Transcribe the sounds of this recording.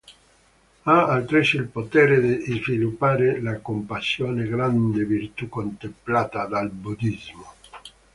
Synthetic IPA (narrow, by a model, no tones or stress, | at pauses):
aalt̪ɾesilpot̪ɛːɾed̪edizvilupːaːɾelakompasjoːneɡɾand̪evirt̪ukont̪emplaːt̪ad̪albud̪izmo